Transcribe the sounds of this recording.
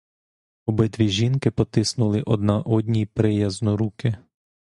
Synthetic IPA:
ɔbɪt̪ʋʲiʒʲinkɪpɔt̪ɪsnʊlˠɪʔɔd̪nɑʔɔd̪ʲnʲijpɾɪjɐznɔɾukɪ

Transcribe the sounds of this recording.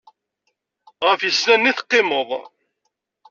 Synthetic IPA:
ʁəfjəsnænːiθqːɪmoðˤ

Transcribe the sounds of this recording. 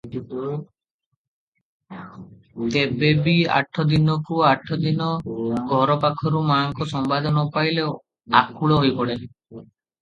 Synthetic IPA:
t̪ebebia̰ʈʰːɔd̪inɔkuaʈʰːɔd̪inɔɡʱɔɾɔpakʰɔɾumaŋkɔsɔmbad̪ɔnɔpajle | akʰuɭɔɦojpɔɽe

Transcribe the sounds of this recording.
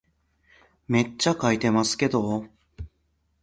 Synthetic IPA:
me̞t͡ɕːakait̪e̞masɨ̥ke̞d̪o̞

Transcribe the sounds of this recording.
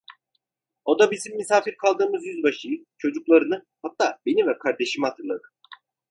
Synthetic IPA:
o̞d̪abizimːisaːfiɾkʰalˠd̪ɯːmɯzjyzbaʃɯjɯt͡ʃʰo̞d͡ʒuklˠaɾɯnɯ | hat̪ːaːbe̞nivɛkʰaɾd̪e̞ʃimihat̪ʰɯɾlˠad̪ɯ

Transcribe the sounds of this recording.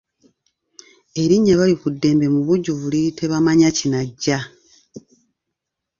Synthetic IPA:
e̞ɾiɲːaβalikudːe̞ːmbe̞muβuɟːuβulitʰe̞βamaɲacinaɟːa

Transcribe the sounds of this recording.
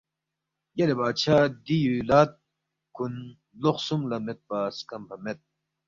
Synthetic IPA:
jɐlebaːt͡ɕʰad̪ijulaːt̪̚ | kun | loχsumlɐmet̪̚baːskɐmpʰɐmet̪̚

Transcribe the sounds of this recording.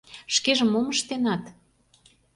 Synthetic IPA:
ʃkeʒə̆mːoməʃt̪enɑt̪

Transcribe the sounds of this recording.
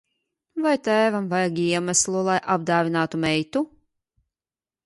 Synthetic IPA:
vajt̪æːvamvajaɡʲiɛmæslˠulˠajʔab̚d̪aːvʲinaːt̪umɛjt̪u

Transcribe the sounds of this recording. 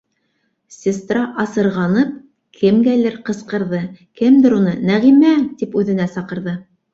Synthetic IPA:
sʲɪst̪rɑʔɑsɤ̆ɾʁɑnɤp̚ | kʰɘmɡæjlɘɾqɤ̆sqɤ̆ɾðɤkɘmd̪ɘɾunɤnæʁimæt̪ipʉðɘ̆næsɑqɤ̆ɾðɤ

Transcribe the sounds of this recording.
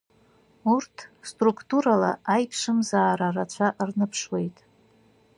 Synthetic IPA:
urtʰstrukʰʼtuɾalaajpʰʂɨmzaːɾarat͡ʃʷʰaʔrnɨpʰʂwe̞jtʼ

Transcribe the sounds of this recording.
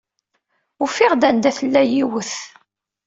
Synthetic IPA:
ʊfiʁd̪ænd̪æθəlːæjiwəθ

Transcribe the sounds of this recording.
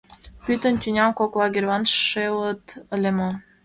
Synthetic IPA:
pyt̪ə̆nt̪ʲynʲɑmkoklˠɑɡʲervɑnːelət̪ə̆lʲemo

